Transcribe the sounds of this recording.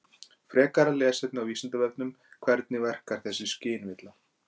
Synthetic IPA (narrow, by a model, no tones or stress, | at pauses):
fɾɛːkaɾalɛːsɛt̪nɪawvisant̪avɛt̪nʏm | kʰvɛɾt̪nɪvɛr̥kaɾ̥θɛsːɪscɪːnvɪt̪la